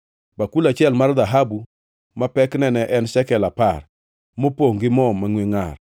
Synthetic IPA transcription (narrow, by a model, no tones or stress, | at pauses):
bakulat͡ʃɪɛlmard̪aɦabu | mapɛknɛnɛʔɛnsɛkɛlapar | mopoŋɡɪmɔmːaŋweŋa̰r